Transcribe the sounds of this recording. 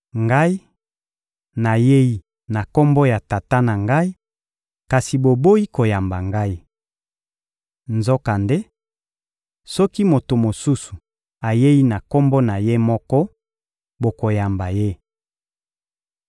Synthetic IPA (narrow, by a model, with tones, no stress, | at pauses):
ŋɡa˦i˦ | na˨je˦ji˦ | na˨kɔ˦mbɔ˦ja˨ta˨ta˦na˨ŋɡa˦i˦ | ka˨si˨bo˨bo˦ji˦ko˨ja˨mba˨ŋɡa˦i˦ | nzo˦ka˨nde˦ | sɔ˦ki˦mo˨to˨mo˨su˦su˨ | a˨je˦ji˦na˨kɔ˦mbɔ˦na˨je˦mɔ˦kɔ˦ | bo˨ko˨ja˨mba˨je˦